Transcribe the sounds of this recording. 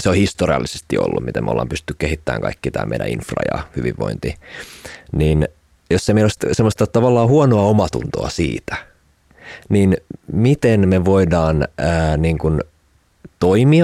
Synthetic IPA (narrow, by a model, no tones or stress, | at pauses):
seohist̪oriɑ̰lːisest̪io̰lːummit̪ḛmʔo̰lːɑ̰ːmpyst̪t̪ːykeɦit̪ːæ̰ːŋkɑ̰ikːit̪æ̰ːmḛiɾæ̰̃ḭnfrɑ̰jɑ̰hyʋiʋʋo̰int̪i | niːn | josemeilost̪semːost̪ɑt̪ɑʋɑlːɑːhuonoɑomɑt̪ṵnt̪oɑsḭːt̪æ̥ | ninmit̪enmeʋoidɑːnəːniːŋkun | t̪oimiɑ